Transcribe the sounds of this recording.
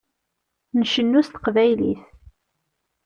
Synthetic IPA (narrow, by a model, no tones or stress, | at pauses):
nəʃənːust̪ə̥qvæjlḭθ